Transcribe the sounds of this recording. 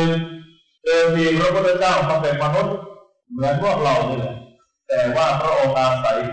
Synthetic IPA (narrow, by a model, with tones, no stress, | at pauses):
t̪oː˧nt̪ʰiː˧pʰɾa˦˥pʰu˥˩t̪̚ʰːa˧t͡ɕaː˥˩wma˧ŋpe˨˩npa˧nu˦˥t̪̚ | mɯ˨˦ənmu˥˩ək̚ɾa˧˩wnɯ˧la˨˩ | t̪ɛː˨˩waː˥˩pʰɾa˦˥ʔoː˧ŋkaː˧nsa˨˧˩j